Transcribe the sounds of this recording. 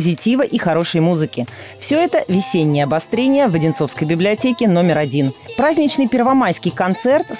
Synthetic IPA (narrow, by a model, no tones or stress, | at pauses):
zʲɪtʲivəʔixɐɾo̞ʂəjmuzɨkʲɪ | fsʲɵɛt̪əvʲɪsʲenʲːɪjəɐbɐst̪ɾʲenʲɪjəvədʲɪnt̪so̞fskəjbʲɪblʲɪɐtʲekʲɪno̞mʲɪɾɐdʲinpɾazʲnʲɪt͡ɕnɨjpʲɪrvɐmajskʲɪjkɐnt̪sɛrt̪